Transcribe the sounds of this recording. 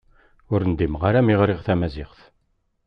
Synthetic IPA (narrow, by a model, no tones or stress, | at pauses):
ʊɾənd̪imʁaɾæmiʁɾɪʁθæmæzɪʁθ